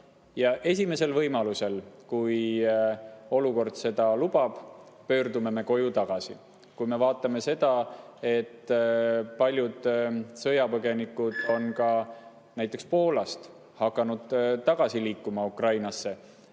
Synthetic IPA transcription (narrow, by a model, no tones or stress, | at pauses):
jɑʔe̞s̬ʲime̞se̞lvɤjmɑluse̞lkuj | o̞luko̞rd̪̥se̞d̪̥ɑlub̥ɑb̥ | pø̞ːrd̪ume̞me̞ko̞jut̪ɑɡ̥ɑsḭ | kujme̞vɑːt̪ːˑɑme̞se̞d̪ɑe̞t̪ː | pɑlʲjud̪̥sɤjɑpɤɡe̞nikːˑud̪̥o̞nkɑ | næjt̪ːˑe̞kspo̞ːlɑst̪ | hɑkːˑɑnud̪̥t̪ɑɡ̥ɑsiliːkːumɑukrɑjnɑsːe̞